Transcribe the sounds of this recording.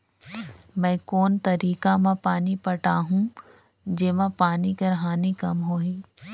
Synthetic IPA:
mɛ̃ːkoːnt̪ɐɾiːkamãpaːnipɐʈaːɦũ | d͡ʑeːmãpaːnikɐɾɦaːnikɐmɦoːɦiː

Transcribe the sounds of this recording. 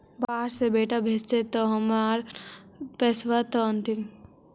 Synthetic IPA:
baːɾsebeːʈabʱest̪et̪ɔɦəmaɾ | pesʋat̪ɔənt̪im

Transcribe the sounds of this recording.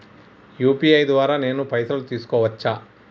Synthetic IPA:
juːpiːɐjd̪ʋaːɾaːne̞ːnupɐjt̪ɾɐlut̪iːsu̥kɔːʋɐt͡ʃːaː

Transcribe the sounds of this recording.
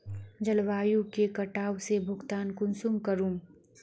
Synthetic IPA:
d͡ʒɐlʋaːjũkekɐʈaːwsebʱʊɡt̪aːnkʊnsumkɐɾũːm

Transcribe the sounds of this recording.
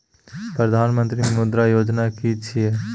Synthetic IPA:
pɾəd̪ʱaːnmə̃nt̪ɾimʊd̪ɾajoːd͡ʒnakit͡ʃʰie

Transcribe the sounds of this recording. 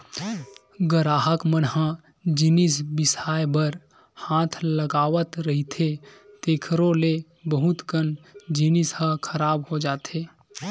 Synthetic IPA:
ɡəɾaːɦəkmənɦã | d͡ʒinɪsbɪsaːjbəɾ | hãːt̪ʰləɡaːʋət̪ɾəɦit̪ʰet̪eːkʰɾõle | bəɦʊt̪kənd͡ʒinɪshãkʰəɾaːbhod͡ʒaːt̪eː

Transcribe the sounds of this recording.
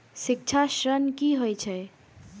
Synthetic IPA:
sik̚t͡ʃʰaʃɾənkiɦojt͡ʃʰɛ

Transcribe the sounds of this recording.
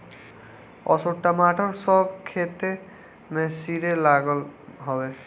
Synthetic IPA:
ɔ̰soʈːamaʈʰʌɾsɔbkʰet̪e | mẽsiɾelaɡəlɦɔbe

